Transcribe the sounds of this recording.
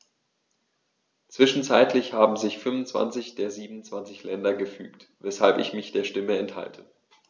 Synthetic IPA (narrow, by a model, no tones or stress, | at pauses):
t͡sv̥ɪʃn̩t͡saɪtʰlɪçhaːbm̩zɪçfʏmʊnt͡sv̥a̰nt͡sɪçd̥eːɐziːbmn̩ʊnt͡sv̥ant͡sɪçlɛndɐɡəfy̰ːktvɛshalpɪ̰çmɪçd̥eːɐʃtɪməɛntha̰ltʰə